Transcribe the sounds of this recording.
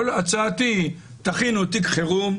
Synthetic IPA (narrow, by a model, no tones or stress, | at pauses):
olat͡sat̪i | t̪aχinot̪ikχeʁum